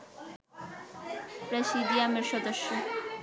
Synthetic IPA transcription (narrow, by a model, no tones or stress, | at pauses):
pɾeʃid̪iameɾʃɔd̪oʃːo